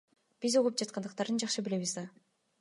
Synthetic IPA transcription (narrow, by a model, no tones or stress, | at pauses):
b̥izuʁup̚d͡ʒɑt̪qɑnd̪ɯq̚t̪ɑɾd̪ɯnd͡ʒɑχʃɯbile̞βizd̪ɑ